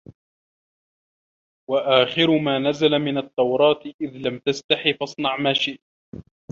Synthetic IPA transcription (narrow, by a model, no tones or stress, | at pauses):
waʔaːxɪɾʊmaːnazalamɪnɑt̪ˤːɑwɾˤɑːt̪ʔɪðlamt̪ast̪aħifɑsˤnɑʕmaːʃɪʔt̪̚